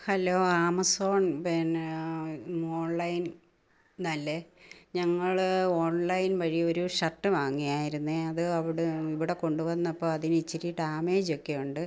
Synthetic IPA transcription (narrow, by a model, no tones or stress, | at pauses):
hɐloːaːmɐsoːɳpin | oːɳlɐjn | nɐlːeɲɐŋːɐɭo̞ːɳlɐjnʋɐɻijɐo̞ɾuʂɐʈːɨʋaːŋːijaːjiɾunːeɐðɨɐʋiɽeiʋiɽe̞ko̞ɳɖuʋɐnːɐpːoːɐðinit͡ɕːiɾiʈaːmeːd͡ʑo̞kːejuɳɖɨ